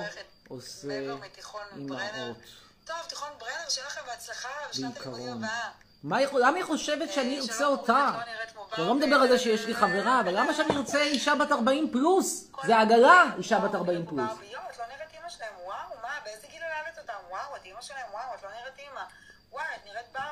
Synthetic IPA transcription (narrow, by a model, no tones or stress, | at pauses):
oset̪iχonimaot | t̪ovt̪iχonbʁedʃelaχambeat͡slaχabeikʰaʁo̞n | maiχlamaniχo̞ʃevetʃeaniʁot͡seo̞ta | alo̞med̪abeʁalzeʃejeʃliχaveʁaːvalːamaʃeaniʁot͡seiʃabataʁbaimpluszeaɡalaiʃabataʁbaimplusjoatloniʁetimaʃelaemwawmabeezeɡilolavetotamwawatimaʃelaemwawatloniʁetima | wajat̪niʁet̚ba